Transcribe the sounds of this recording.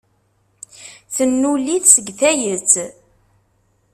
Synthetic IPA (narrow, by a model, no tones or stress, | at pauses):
θənːuliθsəɡθæjət͡sː